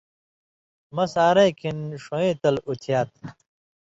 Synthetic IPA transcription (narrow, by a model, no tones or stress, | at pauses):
mɐsaːɾɐjkʰinʂõẽːt̪ɐlut̪ʰjaːt̪̚